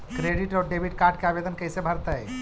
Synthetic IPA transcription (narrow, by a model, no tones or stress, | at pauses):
kɾeɖiʈɔɾɖebʱiʈ̚kaɾɖ̚keabed̪ənkəjsebʱəɾt̪əj